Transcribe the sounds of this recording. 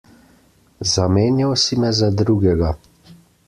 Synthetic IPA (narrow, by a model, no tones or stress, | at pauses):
zameːnjawsimɛzad̪ɾuːɡɛɡa